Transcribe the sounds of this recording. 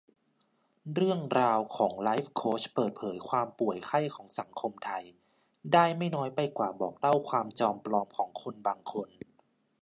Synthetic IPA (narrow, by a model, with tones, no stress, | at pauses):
ɾɯ˥˩əŋɾaː˧wkʰɔː˩˦ŋlaː˦˥jfkʰoː˦˥t͡ɕpɤː˨˩t̪̚pʰɤː˩˦jkʰwaː˧mpu˨˩əjkʰa˥˩jkʰɔː˩˦ŋsa˩˦ŋkʰo˧mt̪ʰa˧j | daː˥˩jma˥˩jnɔː˦˥jpa˧jkwaː˨˩bɔ̰ː˨˩k̚la˥˩wkʰwaː˧mt͡ɕɔː˧mpɾɔː˧mkʰɔː˩˦ŋkʰo˧nbaː˧ŋkʰo˧n